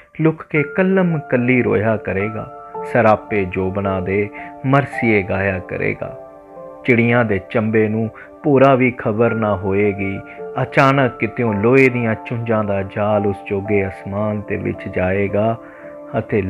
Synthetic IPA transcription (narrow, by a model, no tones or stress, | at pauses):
lʊkʰkeːkəlːəmkəlːiːɾo̰ːjaːkəɾeːɡa̰ː | səɾaːpeːd͡ʒoːbənãːd̪eːməɾsɪjeːɡaːjaːkə̰ɾḛːɡa̰ː | t͡ʃɪɽɪjãːd̪eːt͡ʃəmbeːnũː | puːɾaːʋiːkʰəbəɾnaːɦoːeːɡiːət͡ʃaːnəkːɪt̪ejõːloːeːd̪ijãːt͡ʃʊ̃ɲd͡ʒãːd̪aːd͡ʒaːlʊsd͡ʒoːɡeːəsmaːnt̪ḛːʋɪ̰t͡ʃd͡ʒaːeːɡaː | ət̪eː